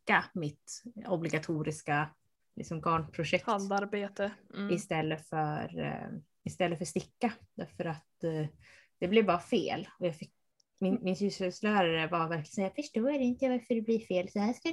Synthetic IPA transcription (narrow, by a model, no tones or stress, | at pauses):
amɪt̪ɔblɪɡat̪ʰuːɾɪska | lɪ̰ksɔmɡɑːɳpʰɾʊʂɛkhand̪aɾbeːt̪əɪst̪ɛlːəfœɾ | ɪst̪ɛlːəfœʂt̪ɪkːad̪̥æɾfœɾat̪ | d̪̥ɛblɛvbɑːɾafeːlɔjɑːɡfɪk | mɪnmɪnsʉːshɛslœːɾaɾəvaɾvæɾklɪəsɛjːafœʂʈoːæɾɛɪnt̪əjvaɾfəɖɛbliːfeːlsɔhæːʂka